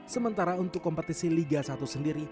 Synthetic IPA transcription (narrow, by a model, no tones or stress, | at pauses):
səmənt̪aɾaunt̪ʊkːɔmpət̪isiliɡasat̪usəndiɾi